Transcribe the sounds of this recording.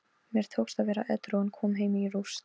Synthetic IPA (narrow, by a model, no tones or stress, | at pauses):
mjɛɾ̥t̪ʰoːwkst̪aðvɛːɾa̰ʔɛt̪ɾoɣʏnkʰɔːmɦeːjmɪirus